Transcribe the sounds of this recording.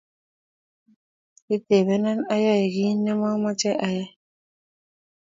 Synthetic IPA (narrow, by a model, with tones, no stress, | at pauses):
i˦t̪e˨βɛ˦na˦na˦ja˦i˨ɡi˦nɛ˦mɔ˦ma˦t͡ʃɛ˦ʔa˦ja˦